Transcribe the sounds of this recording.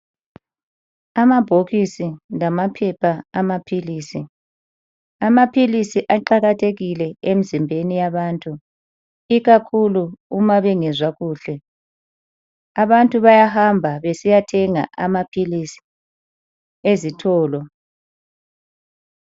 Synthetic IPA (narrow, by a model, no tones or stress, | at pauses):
amab̥ʱoɣisinamapʰɛpʰaamapʰiliːsi | amapʰilisiʔaǃaɣatʰeɣilɛem̩zimbʱenijaβaːntʼu | iɣakʰuluumaβɛŋɛzwaɣuːɬɛ | aβantʼuβajahambʱaβesijatʰɛŋa̰ʔamapʰilisi̥ | ezitʰɔːlɔ